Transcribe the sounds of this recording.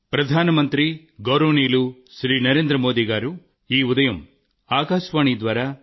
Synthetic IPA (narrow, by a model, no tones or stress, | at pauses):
pɾɐd̪ʱaːnɐmɐnt̪ɾi | ɡɐwɾoneːluʃɾiːnɐɾeːnd̪ɾɐmoːd̪iɡaːɾu | iːud̪ɐjɐm | aːkaːʃʋaːɳid̪ʋaːɾa